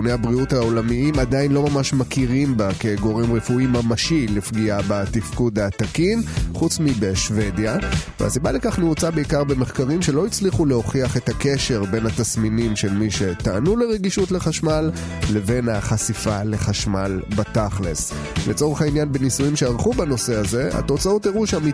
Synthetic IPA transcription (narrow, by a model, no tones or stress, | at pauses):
neabʁiutao̞lamiimad̪ainlo̞mamaʃmakiʁimbakeɡo̞ʁemʁefuimamaʃilifɡiabatifkudat̪akimχut͡smibe̞ʃve̞djavḛa̰sibalekaχniut͡sabeikaʁbe̞me̞χkaʁimʃe̞lo̞it͡sliχuleo̞χiaχe̞take̞ʃe̞ʁbe̞nhat̪asminimʃelmiʃe̞ta̰ːnuleʁeɡiʃutle̞χaʃmalː | e̞ve̞naχasifale̞χaʃmalbat̪aχlḛs | let͡so̞ʁeχainjanbenisujimʃeaʁχubano̞se̞aze̞a̰t̪o̞t͡saoteʁuʃami